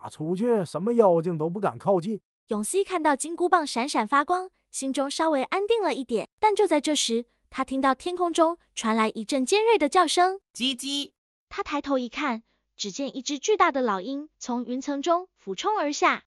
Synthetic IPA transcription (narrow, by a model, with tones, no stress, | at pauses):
a˨˩t͡sʰu˧˥t͡ɕʰɥɛ˥˩ʂə˧˥nmə˧jɑ˥˧ʊ˧t͡ɕi˥˧ŋt̪o˥ʊp̬u˥˩ka̰˨˩nkʰɑ˥˧ʊt͡ɕi˥˩ | jʊ˨˩ŋɕi˥kʰa˥˧nt̪ɑ˥˩ʊt͡ɕi˥ŋku˥pɑ˥˩ŋʂa˧˥nʂa˨˩nfa˥kwɑ˥ŋ | ɕi˧˥ŋʈ͡ʂʊ˥ŋʂɑ˥ʊwe˧˥ɪʔa˥nt̪i˥˩ŋlə˨˩i˥˩t̪jɛ˨˩˦nt̪a˥˧nt͡ɕjo˥˧ʊt͡sa˥˧ɪʈ͡ʂɤ˥˩ʂɻ̩˧˥ | t̪ʰa˥t̪ʰi˥ŋt̪ɑ˥˩ʊt̪ʰjɛ˥nkʰʊ˥ŋʈ͡ʂʊ˥ŋ | ʈ͡ʂʰwa˧˥nla˧˥ɪʔi˧˥ʈ͡ʂə˥˩ŋt͡ɕjɛ˥nɻe˥˩ɪd̪ə˩t͡ɕjɑ˥˩ʊʂɤ˥ŋt͡ɕi˥t͡ɕi˥ | t̪ʰa˥t̪ʰa˧˥ɪt̪ʰo˧˥ʊi˧˥kʰa˥˩n | ʈ͡ʂɻ̩˨˩t͡ɕjɛ˥˧nʔi˥˩ʈ͡ʂɻ̩˥t͡ɕy˥˧t̪a˥˩d̪ə˩lɑ˨˩ʊi˥nt͡sʰʊ˧˥ŋy˧˥nt͡sʰɤ˧˥ŋʈ͡ʂʊ˥ŋfu˨˩ʈ͡ʂʰʊ˥ŋə˞˧˥ɕja˥˩